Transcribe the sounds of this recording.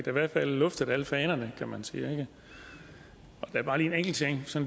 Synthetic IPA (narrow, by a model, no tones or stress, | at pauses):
d̥æ̈iʋæɐd̥fælːɔ̽fd̥əðˠæləfɛːnɐnəkʰæmænsḭːeɡ̥ə | ɒd̥ææɐb̥ɑ̈ːliːeneŋɡ̥l̩t͡sʰeŋ̰sɒ̽n